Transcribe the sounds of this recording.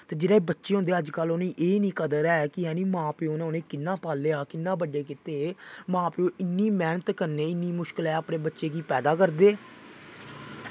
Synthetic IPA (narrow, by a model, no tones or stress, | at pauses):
t̪eːd͡ʒɪːɾaːebətːʃeːɦõnd̪eːəd͡ʒkəloːnẽːʔeːnĩːkəd̪əɾɛːɛːkɪɦɛːnĩːmãːpeoːnẽoːnẽːkɪnːãːpaːleːaːkɪnːãːbəɖːeːkɪt̪eːmãːpeõːʔɪnːiːmɛːnət̪kəɾneːɪnːiːmʊʃkəlɛːaːpnẽːbətːʃeːkiːpɛːd̪aːkəɾd̪eː